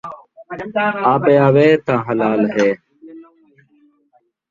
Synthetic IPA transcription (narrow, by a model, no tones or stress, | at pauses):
aːpeːaːʋeːt̪ãːɦəlaːlɦeː